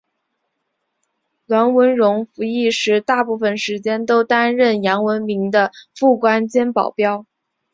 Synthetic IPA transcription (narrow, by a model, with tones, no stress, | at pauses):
lwa˧˥nwə˧˥nɻʊ˧˥ŋfu˧˥i˥˩ʂɻ̩˧˥t̪a˥˧pu˥˩fə˨˩nʂɻ̩˧˥t͡ɕjɛ˥nt̪o˥ʊt̪a˥nɻə˥˩njɑ˧˥ŋwə˧˥nmi˧˥ŋd̪ə˧fu˥˩kwa˥nt͡ɕjɛ˥npɑ˨˩ʊpjɑ˥ʊ